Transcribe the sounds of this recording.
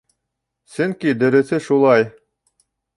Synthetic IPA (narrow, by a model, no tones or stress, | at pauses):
sɵ̆ŋkid̪ɘ̆ɾɘ̆θɘʃulˠɑj